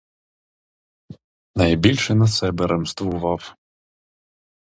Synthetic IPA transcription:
najbʲilʲʃɛnɐsɛbɛɾʔɛmst̪ʋuvɑw

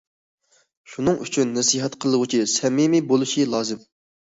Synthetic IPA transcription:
ʃunɨŋʔyt͡ʃʰynːɛsiɦɛt̪qʰəlˠəʁʊt͡ʃʰisɛmimibolˠuʃilˠɑːzɨm

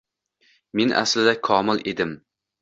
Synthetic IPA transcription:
menʔa̰slɪd̪akʰɒmɪled̪ɪm

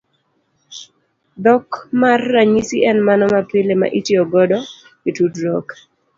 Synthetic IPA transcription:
d̪ɔkmarːaɲisiɛnmanɔmapɪlema̰ʔitiɔɡɔdɔ | itudɾɔk

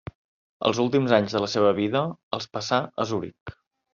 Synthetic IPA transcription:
ə̰lˠzulˠt̪imzaɲzðələseβ̞əβiðəəlˠspəsaʔəzuɾḭk

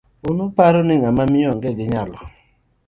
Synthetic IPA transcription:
ʊnʊpaɾɔnɪŋamamɪɔŋɡɛɡɪɲalɔ

